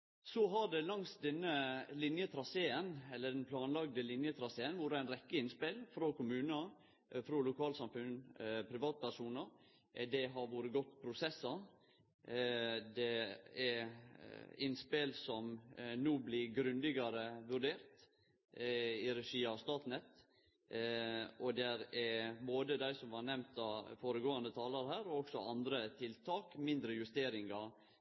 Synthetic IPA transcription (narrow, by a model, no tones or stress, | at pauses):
sɔɦɑɖɛlɑŋsd̪ɛnːəlɪnjət̪ʰɾɑseːənɛlːəɖɛnpʰlɑːnlɑɡ̚d̪əlɪnjət̪ʰɾɑseːənʋuːɾəæɪnɾɛkːəɪnspelfɾoːkʰʊmʉːnə | fɾolʊkʰɑːlsɑmfʉnpʰɾɪʋɑːt̪̚pʰæɾʂuːnəɾ | d̪ɛɦɑɾʋuːɾəɡɔt̪ːpʰɾʊsɛsːɑ | d̪ɛɛ | ɪnspeːlsɔmnuːblɪɡɾʉnd̪ɪɡɑɾəʋʉɾɖeːɾt̪ | ɪɾɛʂiːɑst̪ɑːt̪nɛt̪ | ʔɔd̪ɛɾɛboːd̪əd̪æɪsɔmʋɑɾnɛmnt̪ɑfoːɾəɡoːɑnd̪ət̪ʰɑːlɑɾɦæːɾɔɔksɔɑnd̪ɾət̪ʰɪlt̪ʰɑːkmɪnd̪ɾəjʉst̪eːɾɪŋɑ